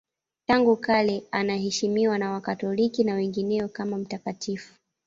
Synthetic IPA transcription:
taŋɡukalɛanaɦɛʃimiwanawakatɔlikinawɛŋɡinɛɔkamam̩takatifu̥

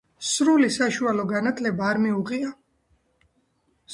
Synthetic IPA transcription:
sɾulisaʃualɔɡanat̪ʰlɛbaːɾmiuʁia

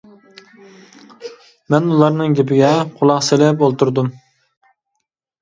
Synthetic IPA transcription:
mɛnulˠɑɾnɨŋɡʲepʰɪɡʲɛqʰʊlˠɑqselɪpolˠt̪uɾd̪um

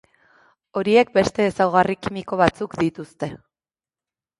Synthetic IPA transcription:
o̞ɾie̞k̚be̞st̪e̞ːsawɣ̞arikimiko̞β̞at͡sukd̪it̪ust̪e̞

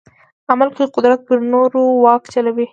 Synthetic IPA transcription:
amalkoqʊd̪ɾat̪̚pəɾnoɾowɑkt͡ʃalawi

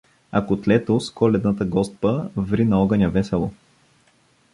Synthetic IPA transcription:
ɐkot̪lɛt̪oskɔlɛd̪nət̪əɡɔst̪̚pəvɾinɐɔɡənʲjɐvɛsɛlˠo

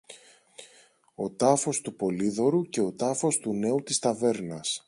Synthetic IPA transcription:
o̞t̪ɐfo̞st̪upo̞liðo̞ɾuce̞o̞t̪ɐfo̞st̪une̞ut̪ist̪ɐve̞ɾnɐs

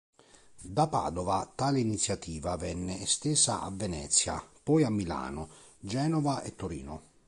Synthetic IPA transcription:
d̪apa̰ːd̪ɔvat̪aːlɪinit̪sːjat̪iːvavɛnːɪɛst̪eːsaʔa̰vɛnɛ̰t̪sːja̰pɔjamːila̰ːnʊ | d͡ʒɛːnɔvaʔɛt̪ːʊɾḭːnʊ

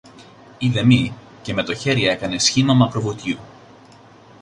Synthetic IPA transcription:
iðe̞mi | ce̞me̞t̪o̞çe̞ɾiɐe̞kɐne̞sçimɐmɐpɾovut̪jiu

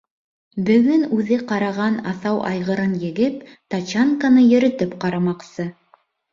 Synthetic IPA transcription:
bɵ̆ɡɵnʉðɘqɑɾɑʁɑnɑθɑwʔɑ̰jʁɤ̆ɾɤnjɘ̆ɡɘp̚t̪ɑt͡ɕaŋkanɤjɵ̆ɾɵ̆t̪ɘpqɑɾɑmɑqsɤ

